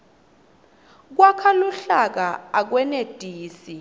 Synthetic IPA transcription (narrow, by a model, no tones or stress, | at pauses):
k̬wakʰaluɬak̬aak̬wɛned̥ʱiːsi